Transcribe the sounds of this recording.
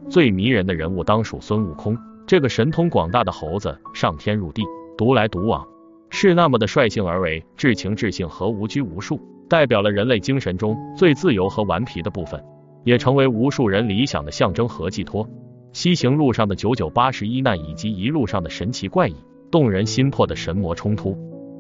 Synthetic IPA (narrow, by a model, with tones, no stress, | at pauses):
t͡swe˥˩ɪmi˧˥ɻə˧˥nd̪ə˧ɻə̰˧˥nu˥˩t̪ɑ˥ŋʂṵ˨˩swə˥nu˥˩kʰʊ˥ŋʈ͡ʂɤ˥˩ɡə˩ʂə˧˥nt̪ʰʊ˥ŋkwɑ̰˨˩ŋt̪a˥˩d̪ə˩xo˧˥ʊd͡zə̰˧ʂɑ˥˩ŋt̪ʰjɛ˥nɻu˥˧t̪i˥˩t̪u˧˥la˧˥ɪt̪u˧˥wɑ̰˨˩˥ŋ | ʂɻ̩˥˧na˥˩mə˩d̪ə˩ʂwa˥˧ɪɕi˥˩ŋə˞˧˥we˧˥ɪʈ͡ʂɻ̩˥˩t͡ɕʰi˧˥ŋʈ͡ʂɻ̩˥˧ɕi˥˩ŋxɤ˧˥u˧˥t͡ɕy˥u˧˥ʂu˥˩ | t̪a˥˩ɪpjɑ˨˩ʊlə˦ɻə˧˥nle˥˩ɪt͡ɕi˥ŋʂə˧˥nʈ͡ʂʊ˥ŋt͡swe˥˧ɪt͡sɹ̩˥˩jo˧˥ʊxɤ˧˥wa̰˧˥npʰi˧˥d̪ə˧pu˥˩fə̰˩n | jɛ˨˩ʈ͡ʂʰɤ˧˥ŋwe˧˥ɪu˧˥ʂu˥˩ɻə˧˥nli˧˥ɕjɑ̰˨˩ŋd̪ə˦ɕjɑ˥˩ŋʈ͡ʂɤ˥ŋxɤ˧˥t͡ɕi˥˩t̪ʰwɔ˥ | ɕi˥ɕi˧˥ŋɻu˥˧ʂɑ˥˩ŋd̪ə˩t͡ɕjo˧˥ʊt͡ɕjo˨˩ʊpa˥ʂɻ̩˧˥i˥na˥˩i˨˩t͡ɕi˧˥i˧˥ɻu˥˧ʂɑ˥˩ŋd̪ə˩ʂə˧˥nt͡ɕʰi˧˥kwa˥˩ɪḭ˨˩˦ | t̪ʊ˥˩ŋɻə˧˥nɕi˥npʰwɔ˥˩d̪ə˩ʂə˧˥nmwɔ˧˥ʈ͡ʂʰʊ˥ŋt̪ʰu˥